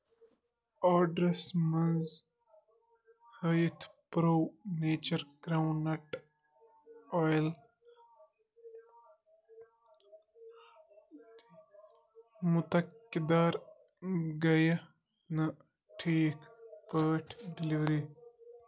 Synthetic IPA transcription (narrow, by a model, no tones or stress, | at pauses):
aːɖɾesmɐnz | həjit̪ʰpɾoːneːt͡ʃɐɾɡɾawnɐʈ | ɔjl | t̪i | mut̪ɐkːid̪aːɾ | ɡɐjɐ | nɐ | ʈʰiːkfəːʈʰɖiliʋɾi